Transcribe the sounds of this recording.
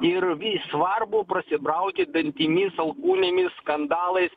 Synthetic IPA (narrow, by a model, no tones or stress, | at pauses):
ɪɾʋʲiːsʋɐɾbʊːpɾɐsʲɪbɾɐʊkʲɪd̪ɐnʲt̪ʲiːmʲɪsɐlˠkuːnʲeːmʲɪsskɐnd̪ɑːlˠɐɪs